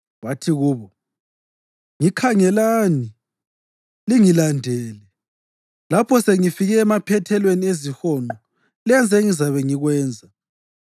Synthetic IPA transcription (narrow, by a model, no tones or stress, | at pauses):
watʰiɣuːβɔ | ŋikʰaŋɛlaːni | liŋilandʱɛːlɛ | lapʰɔseŋifiɣɛːmapʰɛtʰɛlweniezihɔːŋ͡ǃɔ | lɛnd͡zʱɛŋizaβɛŋiɣwɛːnd͡zʱa